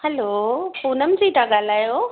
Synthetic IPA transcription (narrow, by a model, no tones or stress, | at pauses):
hɐlopuːnəmd͡ʑit̪ãɠaːl̤aːjo